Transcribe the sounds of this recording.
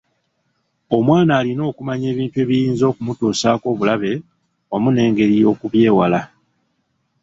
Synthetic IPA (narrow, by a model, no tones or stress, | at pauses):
o̞mwaːnaːlino̞ːkumaɲe̞ːβiːntue̞ːβijiːnzo̞kumutoːsaːko̞ːβulaβe̞ | amune̞ːŋɡe̞ɾijo̞ːkuβje̞ːwala